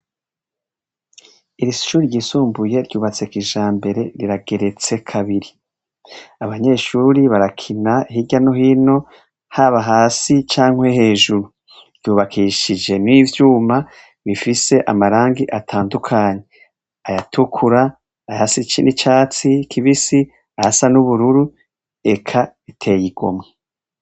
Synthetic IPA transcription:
iɾiʃuːɾiɾɟiːsuːmbuje̞ɾɟuːβat͡se̞kiʒaːmbe̞ɾe̞ɾiɾaɡ̥e̞ɾe̞t͡se̞kʰaβiɾi | aβaɲe̞ːʃuːɾiβaɾakʰinahiɟano̞ɦino̞ | haβaɦaːsit͡ʃaːŋ̥we̞ɦe̞ːʒuɾu | v̥juːβakʰiʃid͡ʒe̞nivjuːma | βifise̞ʔamaɾaːŋɡiʔatʰaːndukʰaːɲe̞ | ajatʰukʰuɾaː | jasit͡ʃinit͡ʃaːt͡sikʰiβisi | ajasanuβuɾuɾu | e̞kʰaβitʰe̞jiɡ̥o̞̰mŋe

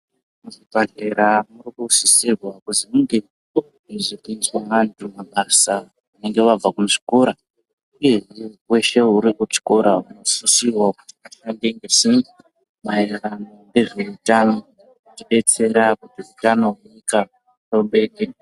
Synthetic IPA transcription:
muʐipaɮe̞ɾamurikusisirwakuzimuŋɡe | iʐikinzwaʋantʰumaɓasa | une̞ŋɡeʋab͡vakumuʂi̥koɾa | iʐiwe̞ʃe̞uɾikut͡ʃi̥koɾauno̞susirwakuti̥katandeŋɡesi | mairanoŋɡe̞ʐeutano | utiɓe̞t͡se̞ɾakutiutano̞ɦuika | roɓe̞ɗe

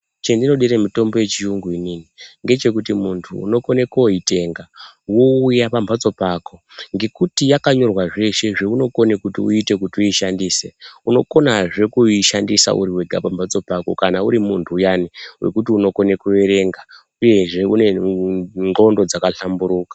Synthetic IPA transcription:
t͡ʃendino̞ɗiɾemito̞mbo̞je̞t͡ʃijuŋɡuininiŋɡe̞t͡ʃe̞kutimuntʰṵːno̞ko̞nekoite̞ŋɡawo̞ujapambʱat͡so̞paːko̞ŋɡe̞kutijakaɲo̞rwaʐe̞ʃe̞ʐeuno̞ko̞nekutiuite̞k̬utiuiʃandiːse̞unoko̞naʐe̞kuiʃandisa̰ṵɾiwe̞ɡʱapambʱat͡so̞pako̞̰kanauɾimuntʰuːjaniwe̞̰kut̬iuno̞kone̞kue̞ɾe̞ŋɡa | uje̞ʐe̞une̞ | ɡo̞ndo̞d͡zakaɬambuɾuːkḁ

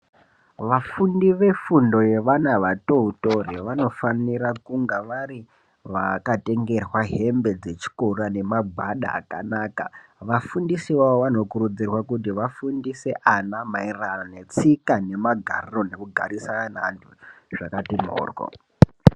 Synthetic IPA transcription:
ʋafundiʋe̞fundo̞je̞ʋanaʋato̞uto̞riʋano̞fanirakuŋɡaʋaɾi | ʋa̰kate̞ŋɡe̞rwaɦe̞mbe̞d͡ze̞t͡ʃi̥korane̞maɡʱaɗa̰ːka̰naːka̰ʋafundisiʋaoʋano̞kurud͡zirwakutiʋafundise̞ʔanamairanane̞t͡sikane̞maɡʱa̰riro̞ne̞kuɡʱa̰ɾisaanantʰuʐ̥akatimo̰ːrɡo̰

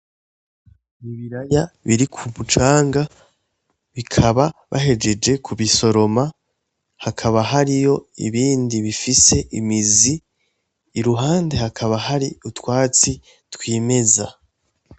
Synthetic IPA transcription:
iβiɾajaβiɾikʰumut͡ʃaːŋɡa | βikʰaβaβʔa̰ɦe̞d͡ʒe̞d͡ʒe̞kʰuβiso̞ɾo̞ma | hakʰaβaɦaɾijo̞ḭβiːndiβifise̞ʔimiziː | ɾuɦaːnde̞hakʰaβahaɾiutwaːt͡si | twiːme̞za

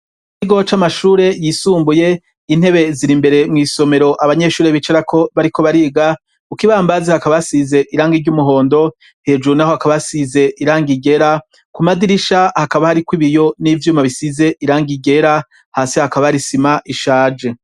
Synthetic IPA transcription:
kiɡo̞t͡ʃamaʃuːɾe̞jisuːmbuje̞ | in̥he̞βe̞ziɾimbe̞ɾe̞mŋiːso̞me̞ɾo̞ʔaβaɲe̞ʃuːɾeβit͡ʃeɾakʰo̞βaɾiko̞βaɾiːɡa | ukiβaːmbazehakaβasize̞ʔiɾaːŋɡiɡɟumuɦo̞ːndo̞ | he̞d͡ʒuɾunaho̞hakaβasize̞ʔiɾaːŋɡiɡe̞ɾa | kumadiɾiʃahakaβahaɾikwiβijo̞nivjuːmaβisize̞ʔiɾaːŋɡiɡe̞ɾa | haːsihakaβaaɾisimaʔiʃaːd͡ʒe̞

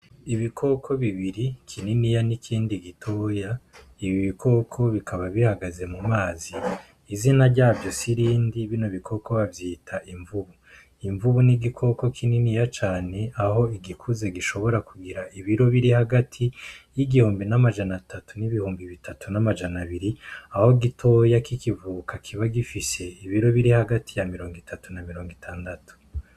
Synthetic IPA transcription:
iβikʰo̞kʰo̞βiβiɾikʰininijanikʰiːndiɡitʰo̞ːja | iβiβikʰo̞ːkʰo̞βikʰaβaβihaɡaze̞mumaːziː | zinaɾɟaːvjo̞siɾiːndiβino̞βikʰo̞ko̞βavjiːtʰaʔiɱvuβu | iɱvuβuniɡikʰo̞ko̞kʰininijat͡ʃaːne̞ʔaho̞iɡikʰuzeɡiʃo̞βo̞ɾakuɡiɾaʔiβiɾo̞βiɾihaɡatʰijiɡihuːmbinamad͡ʒanatʰatuniβihuːmbiβitʰatʰunamad͡ʒanaβiɾiaho̞ɡitʰo̞jakikivuːkakʰiβaɡifise̞iβiɾo̞βiɾihaɡatʰijamiɾo̞ːŋɡitʰatunamiɾo̞ːŋɡitʰaːndatu̥

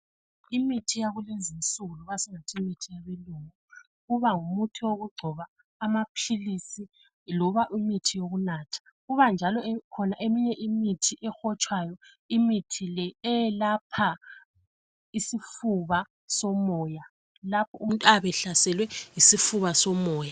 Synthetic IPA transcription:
imitʰijaɣulezinsuluɣasiŋatʰimitʰijaβeluːŋu | ɣuβaŋumutʰiwoɣuɡ͡ǀʱɔβaː | mapʰilisi | lɔβaʔimitʰijoɣunaːtʰḁ | ɣuβand͡ʒʱalɔkʰɔnaʔemiɲɛʔimitʰiʔɛxɔt͡ʃʼwajɔ | imitʰilɛɛjɛlapʰa | isifuβa | sɔmɔːja | lapʰɔʔuntʼaβɛɬasɛlwɛjisifuβasɔmɔːja

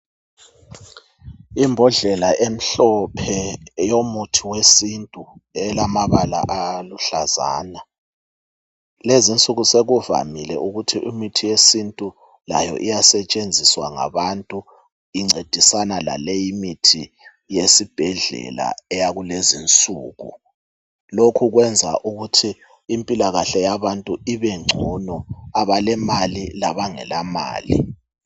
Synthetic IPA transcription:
imbʱɔɮɛlaʔem̩ɬɔpʰɛjomutʰiwesintʼuɛlamaβala̰ʔaluɬaza̰ːna | lezint͡sʼuɣuseɣuva̰milɛ̰ʔuɣutʰiʔimitʰijesintʼu | la̰jɔ̰ʔijasɛt͡ʃʼend͡zʱiswa̰ŋa̰βantʼu | iŋ͡ǀed̥ʱisanala̰lejimitʰi | jesib̥ʱɛɮɛ̰la̰ɛjaɣulezint͡sʼuːɣṵ | lokʰuɣwɛnd͡zʱa̰ʔuɣutʰiː | mpʼilaɣaɬɛjaβantʼuiβɛŋ͡ǀʱunɔaβalɛmalilaβaŋɛ̰lama̰ːlḭ

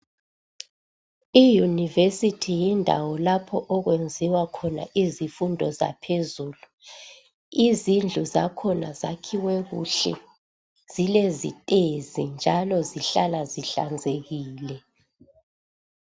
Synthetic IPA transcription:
ijunivesitʰijindʱa̰wɔlapʰɔʔɔɣwend͡zʱiwakʰɔna̰ʔizifundʱɔza̰pʰezuːlu | izind͡ɮʱuzakʰɔnazakʰiwɛɣṵɬɛ̰ | z̥ilezḭtʼezind͡ʒʱalɔziɬalaziɬa̰nd͡zʱeɣiːlɛ

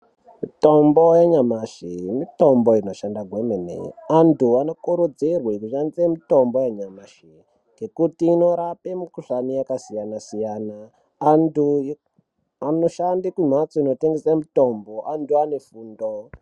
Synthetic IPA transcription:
mitombojaɲamaʃimitombo̞ino̞ʃandaɡʱwemenḛantuano̞kuɾod͡zerwekuʃanisemito̞mbojaɲamaʃi | ŋɡe̞kutiːno̞ɾapemukuʂanijakasijanasijanaː | ndu | anoʃandikum̤at͡soinoteŋɡesamito̞mboʔanduane̞fuːndo

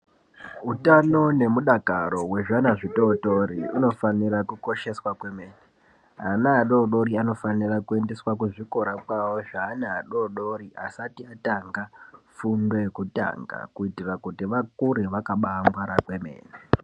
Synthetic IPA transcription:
utano̞ne̞muɗakaɾo̞we̞ʐanaʐito̞ːtorḭuno̞fanirakuko̞ʃe̞swakwe̞me̞ːne | ɦanaːɗo̞ɗo̞ɾiano̞fanirakue̞nde̞swakuʐiko̞ɾakwawo̞ʐaːnaːɗo̞ɗo̞ɾiʔa̰satiataŋɡafundo̞jekuta̰ŋɡa̰kuitirakutiʋakuɾeʋakaɓaːmbaɾakwe̞me̞̰ːne

